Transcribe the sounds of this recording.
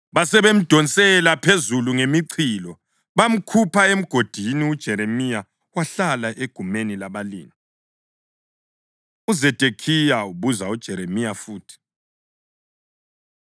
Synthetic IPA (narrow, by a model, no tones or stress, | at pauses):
βasɛβem̩d̥ʱɔnt͡sʼɛlapʰezuluŋemiǀʰiːlɔ | βam̩kʰupʰaem̩ɡ̥ʱod̥ʱiniud̥ʒ̥ʱɛɾemija | waɬalaʔeɡ̥ʱumenilaβalḭːŋi | uzɛd̥ʱekʰijauβuzaud̥ʒ̥ʱɛɾemijafuːtʰi̥